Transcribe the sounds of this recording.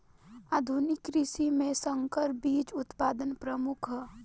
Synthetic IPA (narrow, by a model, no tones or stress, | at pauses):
aːd̪ʱunɪkːɾisimẽsəŋkəɾbiːt͡ʃʊt̪paːd̪ənpɾəmʊkʰɦ